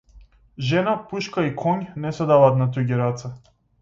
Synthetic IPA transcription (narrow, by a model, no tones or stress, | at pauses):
ʒɛnapuʃkaikʰɔɲnɛsɛd̪avaːt̪nat̪uɡʲɛɾat̪sa